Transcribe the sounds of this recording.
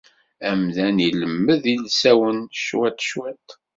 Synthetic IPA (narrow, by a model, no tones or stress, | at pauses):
æmðæniləmːəðilsæwənʃwæt̪ʃwæt̪